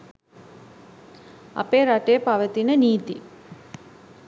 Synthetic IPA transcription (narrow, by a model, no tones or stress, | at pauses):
a̰peːɾaʈejpaʋət̪inəniːt̪i